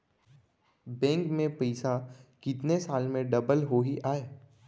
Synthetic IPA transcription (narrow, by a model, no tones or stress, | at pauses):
bɛ̃ːŋkmẽpɐɪsakɪt̪nesaːlmẽɖɐbəlɦoɦiʔaːeː